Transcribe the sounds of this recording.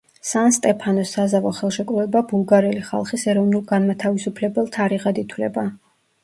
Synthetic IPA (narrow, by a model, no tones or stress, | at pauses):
sanst̪ʼɛpʰanɔsːazavɔχɛlˠʃɛkʼvˠɛbabulˠɡaɾɛliχa̰lˠχisɛɾɔvnulˠɡanmat̪ʰavisupʰlɛbɛlˠt̪ʰaɾiʁad̪it̪ʰwlɛ̰ba